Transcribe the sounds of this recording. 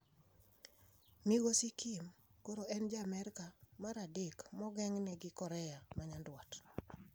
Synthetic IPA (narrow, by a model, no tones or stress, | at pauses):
miɡosikʰimkoɾoʔɛnd͡ʒamɛɾkamaɾadɪkmɔɡɛŋnɛɡɪkɔɾɛjamaɲandwat